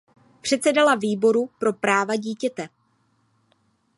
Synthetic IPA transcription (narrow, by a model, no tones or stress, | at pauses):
pr̝̥ɛt̪t͡sɛdalaviːbo̞ɾupɾo̞pɾaːvaɟiːcɛt̪ɛ